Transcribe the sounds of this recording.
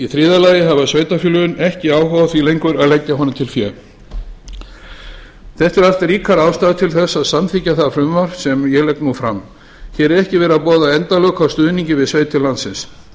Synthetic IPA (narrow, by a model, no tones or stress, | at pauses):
iθɾiːðalaːjɪɦavasveːjt̪afjʏːlʏʏnɛhcɪaːwɦɔːwvaθvilejŋkvʏɾaðlɛcːaɦɔnʏmt̪ʰɪlfjɛ | θɛht̪ɛɾaft̪riːkʰaɾaːwst̪aːðt̪ʰɪlθɛsːaðsamθicːaθaðfɾʏmvaɾ̥sɛmjɛɣlɛknufɾa̰m | çɛɾɛɾɛhcɪvɛːɾapɔːðaɛnt̪alœːkawst̪ʏːðniɲcɪvɪðsveːjt̪ɪlant̪sɪns